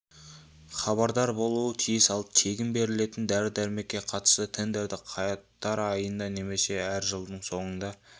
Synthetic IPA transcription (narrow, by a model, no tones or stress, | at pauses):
χɑbɑɾd̪ɑɾbo̞lˠuət̪ʰijɪsɑlˠp̚t̪ʰe̞ɡʲɪmbe̞ɾɪle̞t̪ɪnd̪æɾɪd̪æɾme̞kʲːe̞qʰɑt̪ə̥st̪ət̪ʰend̪eɾd̪ɪqʰɑjɑt̪ːɑɾɑjənd̪ɑne̞me̞se̞æɾʒəlˠd̪əɴso̞ɴənd̪ɑ